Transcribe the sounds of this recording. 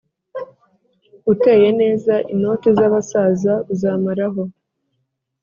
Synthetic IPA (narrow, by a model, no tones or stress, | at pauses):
ute̞ːje̞ne̞ːzaʔino̞ːtezaβasaːzauzaːmaɾaɦo̞